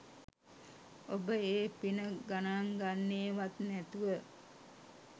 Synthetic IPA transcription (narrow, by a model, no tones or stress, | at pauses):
obəeːpinəɡanaŋɡanːeːʋat̪nɛt̪uʋə